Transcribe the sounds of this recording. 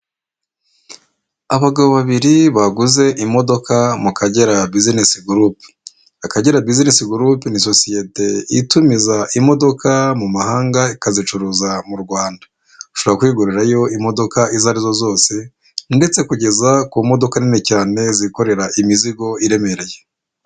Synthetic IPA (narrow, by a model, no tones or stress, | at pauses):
aβaɡaβo̞βaβiɾiβaɡuze̞ʔimo̞do̞kʰamukaɟe̞ɾabizinesiɡuɾup | akaɟe̞ɾabizinesiɡuɾupiniso̞sije̞te̞itumizaʔimo̞do̞kʰamumahaːŋɡaikazit͡ʃuɾuzamuɾɡwaːnda | uʃoakwiːɡuɾuɾajo̞imo̞do̞kaizaɾizo̞zo̞ːse̞ | nde̞t͡se̞kuɟe̞zakumo̞do̞kaninecaːne̞ziko̞ɾe̞ɾaʔimiziɡo̞iɾe̞me̞ɾeje